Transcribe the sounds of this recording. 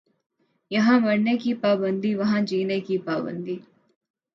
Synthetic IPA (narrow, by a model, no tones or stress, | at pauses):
jɐɦãmɐɽnekipaːbə̃nd̪ʱiʋɐɦãd͡ʒiːnekipaːbə̰̃nd̪ʱiː